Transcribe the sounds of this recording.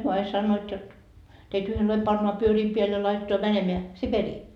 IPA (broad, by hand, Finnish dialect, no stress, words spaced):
hyø ɑi sɑnːoːt jot teit yhenlɑi pɑnːoɑ pyøriː peæl jɑ lɑitetoɑ mænemeæ siperiː